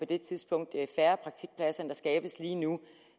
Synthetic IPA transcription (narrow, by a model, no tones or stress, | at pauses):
pʰɒ̽d̥e̝t͡sʰið̞ˠsb̥ɔ̽ŋ̰d̥fæɐpʰʁɑ̈ɡ̥̚t͡sʰiɡ̥̚pʰlæsɐnd̥ɑ̈sɡ̥ɛːb̥əsliːnu